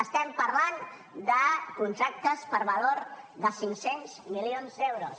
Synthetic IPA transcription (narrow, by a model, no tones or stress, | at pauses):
əst̪ɛmpəɾlan | d̪əkunt̪ɾak̚t̪əspəɾβəloɾðəsiŋsenzmilionzðewɾos